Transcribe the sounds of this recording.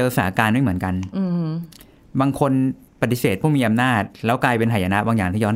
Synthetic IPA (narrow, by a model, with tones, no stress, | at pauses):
ɤː˧saː˨˩˦kaː˧nm˥˩mɯ˩˦ənka˧n˧ | baː˧ŋkʰo˧n | pa˨˩t̪ːi˨˦seː˨˩t̪̚pʰuː˥˩miː˧ʔa˧mnaː˥˩t̪̚lɛː˦˥wklaː˧jpe˧nhʰa˨˩ja˧na˦˥baː˧ŋjaː˨˩ŋt̪ʰiː˥˩jɔ˦˥n